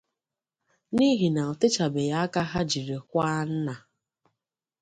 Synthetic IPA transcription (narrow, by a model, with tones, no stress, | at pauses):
ni˦ɦi˨na˨ʊ˨tɪ˦t͡ʃa˨be˨ja˦a˦ka˦ɦa˦d͡ʒi˨ɾe˨kʷa˦n̩˦na˨